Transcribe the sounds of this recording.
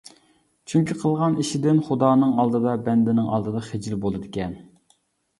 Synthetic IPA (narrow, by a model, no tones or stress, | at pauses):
t͡ʃʰyŋkʲiqʰəlˠʁɑniʃɪd̪ɪnχud̪ɑːnɨŋɑlˠd̪ɨd̪ɑbɛnd̪ɪnɪŋɑ̰lˠd̪ɨd̪ɑχɪd͡ʒilbolˠɨd̪ɪkʲɛn